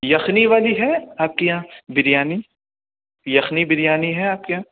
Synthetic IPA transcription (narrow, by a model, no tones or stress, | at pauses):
jɐxniʋaːliɦɛaːp̚kijãːbɪɾɪjaːni | jɐxnibɪɾjaːniɦɛaːp̚keɦãː